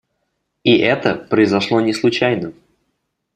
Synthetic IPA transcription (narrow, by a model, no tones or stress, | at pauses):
iʔɛt̪əpɾəɪzɐʂlˠo̞nʲɪslˠʊt͡ɕæjnə